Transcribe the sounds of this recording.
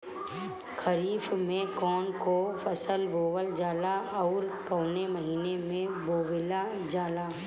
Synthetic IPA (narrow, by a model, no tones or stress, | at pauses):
kʰəɾiːfmẽkɔːnkofɐsəlboːwəld͡ʒaːlaɔːɾkɔːneməɦiːnemẽboːwɪla | d͡ʒaːlaː